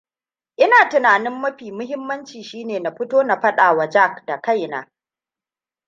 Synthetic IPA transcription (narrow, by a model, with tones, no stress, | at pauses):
ʔɪ˦naː˨tʊ˨naː˨nɪ˦mːɐ˦ɸiː˨mʊ˦hɪ˦mːɐ˦nt͡ʃiː˨ʃiː˦neː˨na˨ɸɪ˦toː˦na˨ɸɐ˦ɗaː˨wa˨d͡ʒa˦˨kda˨ka˦jna̰ː˦